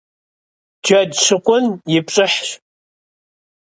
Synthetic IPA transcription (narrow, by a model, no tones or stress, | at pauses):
d͡ʒadʂɨkʷʼʊnjɪpʈ͡ʂʼɨħʃ